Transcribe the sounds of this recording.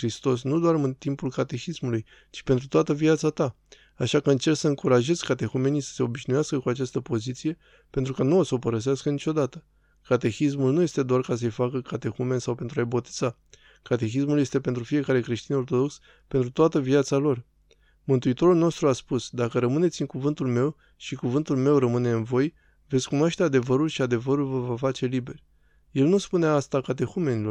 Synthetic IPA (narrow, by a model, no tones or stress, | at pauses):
ɾist̪o̞s̬nud̪oarmɨnt̪impulkat̪e̞xismuluj | t͡ʃi̥pe̞nt̪ɾut̪oat̪əviat̪sat̪a | aʃakəɨnt͡ʃe̞rt̪səɨŋkuɾaʒe̞z̥ʲkat̪e̞xume̞nijsə̥se̞o̞biʃnujaskəkuat͡ʃast̪əpo̞zit̪sije̞ | pent̪ɾukanuosopəɾəs̬easkənit͡ʃo̞d̪at̪ə̥ | kat̪e̞xis̬mulnuje̞st̪e̞d̪oarkasəəjfakəkat̪e̞xume̞nsawpe̞nt̪ɾuajbo̞t̪i̥z̥a | kat̪e̞xismulje̞st̪e̞pe̞nt̪ɾufije̞kaɾe̞kɾe̞ʃt̪ino̞rt̪o̞d̪o̞ks | pe̞nt̪ɾut̪oat̪əviat̪salo̞r | mɨnt̪uit̪o̞ɾulno̞st̪ɾuaspusd̪akəɾəmɨne̞t̪sʲɨŋkuvɨnt̪ulme̞w | ʃikuvɨnt̪ulme̞wrəmɨne̞ɨnvo̞j | ve̞t̪sʲkunwaʃt̪ead̪e̞vəɾulʃiad̪e̞vəɾulvəvafat͡ʃe̞libe̞rʲ | je̞lnuspuneast̪akat̪̬e̞xume̞nilo̞r